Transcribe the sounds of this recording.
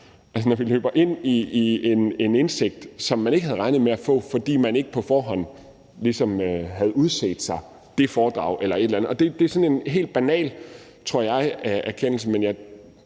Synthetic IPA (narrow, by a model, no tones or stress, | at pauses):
ʔæls̬ənɒʋilø̰ːb̥ɐʔe̝n̰iie̝ne̝nenseɡ̥̚d̥sɒ̽mːæneɡ̥əhæð̞̩ˠʁɑ̈ɪnð̩ˠmeæfɔ̰̽ːfɒ̽d̥ḭːmæne̝ɡ̥əpʰɒ̽fɒːɦɒ̽n̰ | lisɒ̽møɦæð̞̩ˠuð̞ˠsḛːd̥sɑ̈ɪ | d̥e̝fɒːd̥ʁɑ̈ʊ̰ʔelɐe̝d̥elænð̩ˠɒ̽d̥e̝d̥e̝sɒ̽ne̝nɦe̝̰ːld̥̚b̥ænɛ̰ːl | t͡sʰʁo̝ɐ̰jɑ̈ɪæʔæɐkʰen̰l̩səmenjɑ̈ɪ